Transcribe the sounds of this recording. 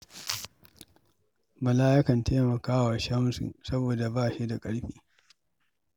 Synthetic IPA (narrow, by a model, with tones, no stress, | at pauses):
mɐ˨laː˦jɪ˦kɐ˨nteː˦mɐ˨kaː˦wa˨ʃɐ˦msṵ˨sɐ˦boː˨da˨baː˦ʃi˦da˨kʼɐ˦ɽɸḭː˦